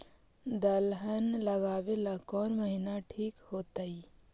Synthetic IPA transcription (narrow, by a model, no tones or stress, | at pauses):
d̪ɐlɦənlɐɡaːʋelakɔːnməɦinaʈʰiːkhoːt̪ai